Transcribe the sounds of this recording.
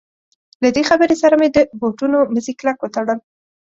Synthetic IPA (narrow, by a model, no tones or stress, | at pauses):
lad̪exabəɾesaɾamed̪əboʈunoməziklakwət̪aɽəl